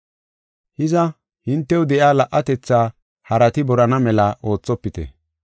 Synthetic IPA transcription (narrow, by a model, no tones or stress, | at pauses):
hɪzɐ | hɪnt̪ːɛwd̪ɛʔjaːlɐʔːɐt̪ɛt͡sːaː | hɐɾɐt̪ɪbɔɾɐnɐmɛlɐʔo̞ːt͡sːɔpːɪt̪ɛ̰